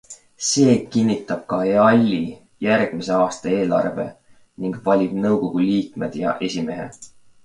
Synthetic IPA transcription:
se̞ːkinʲːit̪ːˑɑb̥̚kɑeɑlʲːi | jærɡ̥mise̞ɑːst̪ɑe̞ːlɑ̰rve̞̰ | niŋɡ̥vɑlʲib̥nɤwko̞ɡ̥uliːkme̞d̪̥jɑ̰ʔe̞sʲime̞ɦe̞̰

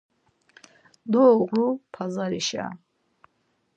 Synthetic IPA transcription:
d̪ɔːʁlupʰazaɾiʃa̰

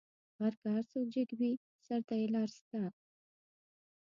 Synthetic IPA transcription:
ɣaɾkaaɾsokd͡ʒɪkbi | saɾt̪ajelɑɾst̪a

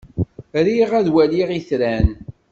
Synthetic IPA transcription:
ɾiʁæðwæliʁiθɾæn

